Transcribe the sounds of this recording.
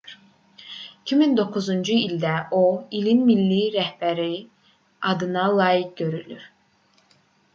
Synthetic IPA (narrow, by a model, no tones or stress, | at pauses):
icʰimind̪o̞kʰuzund͡ʒuilʲd̪æʔoilinmilːiɾæhbæɾi | ɑd̪ɯnɑlˠɑːjik̚ɟø̞ɾylyɾ̥